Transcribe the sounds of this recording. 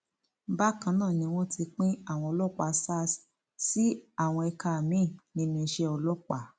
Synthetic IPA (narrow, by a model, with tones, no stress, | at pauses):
ba˦kã˦nãː˦˨nĩ˧w̃ɔ̃˦tʰi˧k͡pĩ˦a˦˨w̃ɔ̃˧ɔ˧lɔ˦˨k͡pa˨˧sa˦s | si˦a˦˨w̃ɔ̃˧ɛ˧ka˧˨mĩ˨˦˨nĩ˧nĩ˧i˧ʃɛ˧˦ɔ˧lɔ˦k͡pa˨